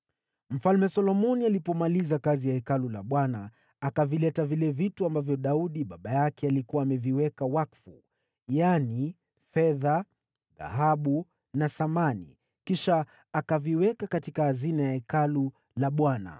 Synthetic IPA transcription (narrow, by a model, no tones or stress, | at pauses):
m̩falmɛsɔlɔmɔnialipɔmalizakazijaɛkalulaɓwanaː | kavilɛtavilɛvituambavjɔɗauɗiɓaɓajakɛalikuwaːmɛviwɛkawakfu | jani | fɛða | ɣa̰ɦaɓu | nasamanḭ | kiʃaː | kaviwɛkakatikaːzinajaɛkalu | laɓwana̰